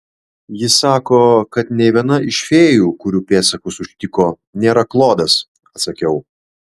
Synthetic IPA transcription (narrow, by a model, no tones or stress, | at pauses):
jɪsɑːkoːkɐt̪nʲɛɪʋʲiɛnɐɪʃʲfʲeːjuːkʊɾʲuːpʲeːsɐkʊsʊʃʲt̪ʲɪkoː | nʲeːɾɐklˠoːd̪ɐs | ɐt̪sɐkʲɛʊ